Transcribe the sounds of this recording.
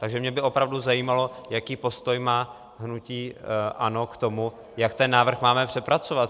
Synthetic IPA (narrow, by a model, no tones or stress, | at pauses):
t̪aɡʒɛmɲɛbɪʔo̞pɾavduzajiːmalo̞jakiːpo̞st̪o̞jmaː | ɦnuciːʔano̞kt̪o̞mu | jakt̪ɛnːaːvr̩xmaːmɛpr̝̥ɛpɾat͡so̞vat̪̚